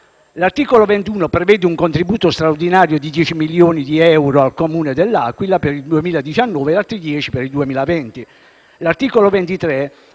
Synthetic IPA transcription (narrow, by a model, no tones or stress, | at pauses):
lart̪iːkolovɛnt̪uːnopɾevɛːd̪euŋkont̪ɾibuːt̪ost̪ɾaord̪inaːɾjod̪id̪jɛːt͡ʃimiljoːnid̪iɛwɾoalkomuːned̪elːakwilapeɾild̪uemiːlad̪it͡ʃanːɔːvelalt̪ːɾid̪jɛːt͡ʃipeɾild̪uemiːlavɛnt̪i | lart̪iːkolovɛnt̪it̪ɾɛ